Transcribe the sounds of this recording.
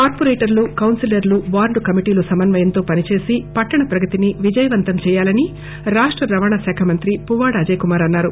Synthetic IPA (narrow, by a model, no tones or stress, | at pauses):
kaːɾpoɾeːʈɐɾlukɐwnsilɐɾluʋaːɾɖukɐmiʈiːlusɐmɐnʋɐjɐnt̪o̞ːpɐnit͡ʃe̞ːsipɐʈːɐɳɐpɾɐɡɐt̪iniʋid͡ʒɐjɐʋɐnt̪ɐmt͡ʃɛːjaːlɐni | ɾaːʂʈɾɐɾɐʋaːɳɐsɛːkʰɐmɐnt̪ɾipuʋaːɽɐɐd͡ʒɐjkumaːɾɐnːaːɾu